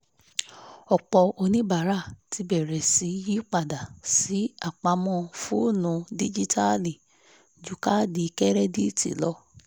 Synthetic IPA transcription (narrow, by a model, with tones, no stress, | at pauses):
ɔ˨k͡pɔ˧o˧nĩ˦ba˨˦ɾa˦˨ti˨˧bɛ˨ɾɛ˨si˨˦ji˦k͡pa˦˨da˨si˨˦a˦˨k͡pa˧˦mɔ̃˧fu˦˨nũ˨˧di˦d͡ʒi˦ta˦li˨ | d͡ʒu˨˦ka˦di˧kɛ˦ɾɛ˦di˦tḭ˨˦lɔ˦